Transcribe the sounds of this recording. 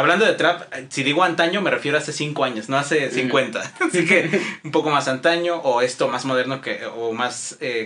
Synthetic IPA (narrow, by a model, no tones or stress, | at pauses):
aβland̪oðet̪ɾapsiðiɣoant̪aɲo̞mere̞fjeɾoase̞siŋko̞aɲosno̞ase̞siŋkwe̞nt̪aasike̞umpo̞ko̞masant̪aɲo̞ʔːe̞st̪o̞mazmo̞ð̞e̞ɾno̞keomase